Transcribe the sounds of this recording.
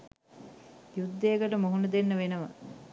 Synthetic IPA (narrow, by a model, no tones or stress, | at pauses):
jud̪ːejːkəʈəmoɦunəd̪enːəʋenəʋɐ